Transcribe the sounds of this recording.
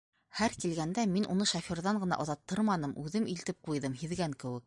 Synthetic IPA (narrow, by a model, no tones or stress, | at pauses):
hæɾkilɡænd̪æminʔunɤʃafʲoɾðɑɴɢɤ̆nɑ̰ʔŏðɑt̪ːɤɾmɑnɤmʔʉðɘmilt̪ɘp̚qujðɤmɦiðɡæŋkɘ̆wɘ̆k̚